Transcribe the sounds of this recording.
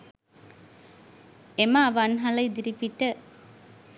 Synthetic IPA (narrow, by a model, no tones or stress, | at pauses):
emaːʋanɦɐlɐjd̪iɾipiʈə